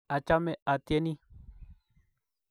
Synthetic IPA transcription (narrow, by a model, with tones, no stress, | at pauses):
a˨t͡ʃame˦ʔa˨t̪ie˦ni˦